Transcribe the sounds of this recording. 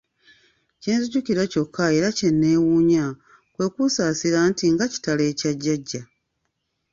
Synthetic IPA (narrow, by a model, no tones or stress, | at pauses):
ceːnzuɟuciɾaco̞kːae̞ːɾace̞nːe̞ːwuːɲa | kwe̞ːkusaːsiɾaːntiŋɡaci̥tale̞ːcaɟːaɟːa